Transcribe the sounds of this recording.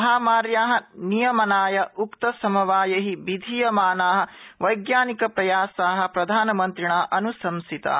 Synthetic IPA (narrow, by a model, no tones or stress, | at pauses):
ɦaːmaːɾjaːɦɐ̆nijɐmɐnaːjɐukt̪ɐsɐmɐʋaːjɐɦibid̪ʱijɐmaːnaːɦɐ̆ʋɐjɡjaːnikɐpɾɐjaːsaːɦɐ̆pɾɐd̪ʱaːnɐmɐnt̪ɾiɳaːʔɐnusɐmsit̪ɐ̰ː